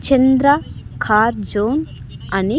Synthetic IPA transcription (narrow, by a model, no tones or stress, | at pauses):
t͡ʃend̪ɾakʰaːɾd͡ʒoːnɐni